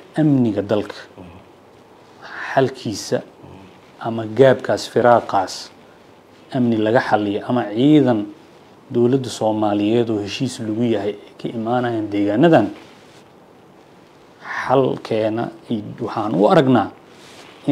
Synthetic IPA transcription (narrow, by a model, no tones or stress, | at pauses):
ʔɐmnɪɣɐd̪ɐlkʰɐ̥ | ħɑlkʰiːsɐ̰ | ʔɐmɐɡaːbkʰaːsfɪɾaːqɑːs | ʔɐmnɪlɐɣɐħɑlɪjɔʔɐmɐʕiːðɐn | d̪ɔwlɐd̪ɐsɔːmaːlɪjɛːd̪ɔːhɛʃiːslʊɣʊjɐɦɛjɛjkʰɐʔɪmaːnɐjaːnd̪ɛːɣaːnɐðɐn | ħɑlkʰɛːnɐ̰iwɑħɑːnʊ̰ɐɾɐɡnaː | ɪ